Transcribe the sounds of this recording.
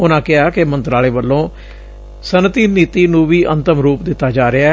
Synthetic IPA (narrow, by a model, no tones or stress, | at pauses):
ʊnãːkɪaːkɪmənt̪ɾaːleːʋəlːõː | sənt̪iːniːt̪iːnũːʋiːʔə̰nt̪əmɾuːpd̪ɪt̪ːaːd͡ʒaːɾɪa